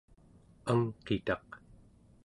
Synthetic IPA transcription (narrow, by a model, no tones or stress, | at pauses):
aŋqet̪ɑq